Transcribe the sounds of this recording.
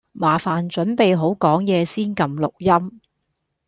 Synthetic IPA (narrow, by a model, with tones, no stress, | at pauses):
maː˨faː˨nt͡ʃɵ˨˥npe˨jɦo˨˥wkɔː˨˥ŋjɛː˨˧siː˥nkɐ˧mlʊ˨k̚jɐ˥m